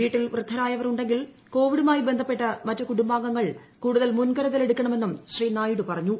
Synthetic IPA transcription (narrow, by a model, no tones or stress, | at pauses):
ʋiːʈːilʋrɨd̪ʱːɐɾaːjɐʋɐruɳɖe̞ŋɡil | ko̞ːʋiɽumaːjibe̞nd̪ʱɐpːe̞ʈːɐmɐtːukuɽumbaːŋɡɐŋːɐɭ | kuːɽuðɐlmunkɐɾɐðɐle̞ɽukʲːɐɳɐme̞nːumɕriːnaːjɽupɐrɐɲːu